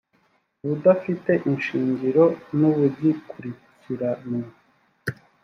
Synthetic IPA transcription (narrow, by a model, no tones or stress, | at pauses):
βudafite̞ʔinʃiːɲɟiɾo̞nuβuɟikuɾi | ciɾano